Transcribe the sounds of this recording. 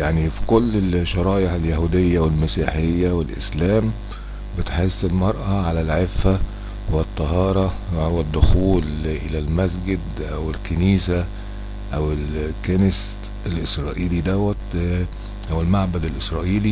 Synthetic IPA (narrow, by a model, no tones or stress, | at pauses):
jaʕnifi̥kolːelʃɑɾˤɑːʔeʕeljahuːd̪ɪjːæwɪlmæsiːħejːæwɪlʔɪ̰slæːm | bɪt̪ħesːɪlmɑɾˤʔæʕalælʕefːæ | wet̪ˤːɑɦɑːɾˤɑwed̪ːʊxuːlʔɪlælmæs̬ɡɪd̪ʔæwɪlkeniːsæ | ʔæwelkænɪs | elʔɪsɾˤɑːʔiːlid̪æwæt̪ | ʔæwɪlmaʕbæd̪ɪlʔɪsɾˤɑːʔiːli